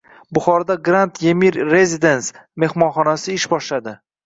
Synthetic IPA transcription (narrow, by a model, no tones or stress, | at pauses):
bʊχɒɾad̪aɡɾant̪ʰjemiɾːe̞zʲid̪ensme̞hmɒnχɒnasɪɪʃbɒʃlad̪ɪ